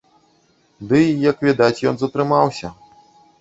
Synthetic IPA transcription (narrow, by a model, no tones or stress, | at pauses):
d̪ɨjɐkvʲɛd̪at͡sʲjɔnzɐt̪ɾɨmawsʲɐ